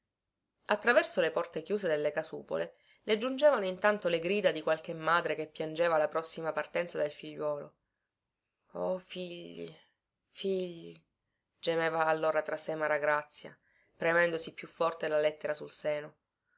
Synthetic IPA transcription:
at̪ːɾavɛrsolepɔrt̪ekjuːsed̪elːekasṵːpo̰le | led͡ʒund͡ʒeːvanoint̪ant̪oleɡɾiːd̪ad̪ikwalk̟emːaːd̪ɾekepːjand͡ʒeːvalapɾɔsːimapart̪ɛnt̪sad̪elfiʎːwɔːlo̰ | ɔfiʎːḭ | fiʎːi | d͡ʒemeːvaːlːoːɾat̪ɾasːemaɾaɡɾat̪sːja̰ | pɾemɛnd̪osipːjufːɔrt̪elalɛt̪ːeɾasulseːno

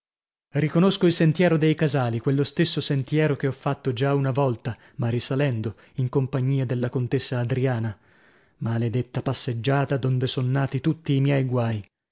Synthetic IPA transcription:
rikonoskoilsent̪jɛːɾod̪ejkazaːlikwelːost̪esːosent̪jɛːɾokeɔfːat̪ːod͡ʒaunavɔlt̪a | marisalɛnd̪o | iŋkompaɲːiːad̪elːakont̪esːaːd̪ɾiaːna | maled̪et̪ːapasːed͡ʒːaːt̪ad̪ond̪esonːaːt̪it̪ut̪ːiːmjɛjɡwaːj

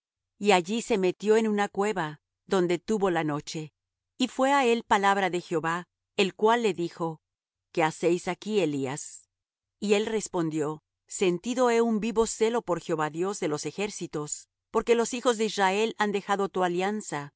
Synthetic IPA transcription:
iaʝise̞me̞t̪jo̞e̞nunakwe̞βa | ðo̞nd̪et̪uβo̞lano̞t͡ʃe̞ | ifwe̞ae̞lpalaβɾaðe̞xjo̞βa | elkwalːe̞ðixo̞ | ke̞ase̞jsakie̞lias | ie̞lre̞spo̞nd̪jo̞ | se̞nt̪iðo̞e̞umbiβo̞se̞lo̞po̞ɾxjeo̞βaðjo̞zðe̞lo̞se̞xe̞ɾsit̪o̞s | po̞ɾke̞lo̞sixo̞zðe̞izrae̞land̪e̞xaðo̞t̪ualjansa

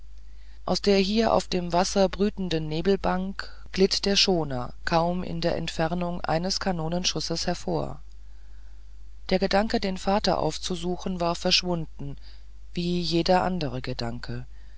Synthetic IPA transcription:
ʔa̰ʊsd̥eːɐɦiːɐʔa̰ʊfd̥eːmvasɐbʁyːtn̩dənːeːbl̩baŋk | ɡ̥lɪtd̥eːɐʃoːnɐ̰kʰaʊmɪ̰ndeːɐʔɛ̰ntfɛʁnʊŋʔa̰ɪnəskʰanoːnənʃʊsəshɛɐfo̰ːɐ | d̥eːɐɡədaŋkədeːnfaːtɐ̰ʔa̰ʊft͡suzuːxn̩vaːɐfɛɐʃv̥ʊndn̩ | v̥iːjeːdɐʔa̰ndəʁ̞əɡəda̰ŋkʰə

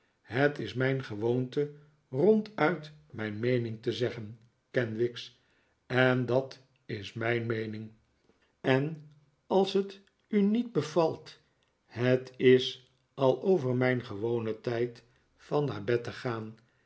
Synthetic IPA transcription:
ɦətɪsmɛjnχəʋowntə | rɔntœɥtmɛjnmejnɪŋtəzɛχən | kɛnʋɪks | ɛndɑt | ɪsmɛjnmejnɪŋ | ɛn | ɑlˠsɦət | ynid̚bəvɑlˠt | hətɪs | ɑlˠowvəɹmɛjnχəʋownətɛjt | fɑnːa̰ːɹbɛtəχaːn

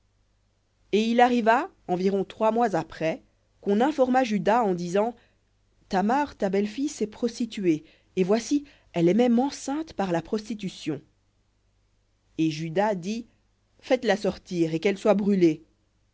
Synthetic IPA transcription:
eilaʁiva | ɑ̃viʁɔ̃t̪χwamwazapχɛ | kɔ̃nɛ̃fɔʁmaʒyd̪aɑ̃d̪izɑ̃ | t̪amɛʁt̪abɛlfijsɛpχɔst̪it̪ɥe | evwasi | ɛlɛmɛmɑ̃sɛ̃t̪paʁlapχɔst̪it̪ysjɔ̃ | eʒyd̪ad̪i | fɛt̪lasɔʁt̪iʁekɛlswabʁyle

